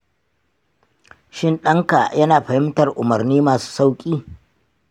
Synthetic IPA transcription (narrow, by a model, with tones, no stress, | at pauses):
ʃɪ˦nɗɐ˦ŋka˨jɐ˦naː˨ɸɐ˨hɪ˦mtɐ˨rʔʊ˨mɐ˨rniː˦maː˨su̥ː˦sa˦wkʲʼiː˦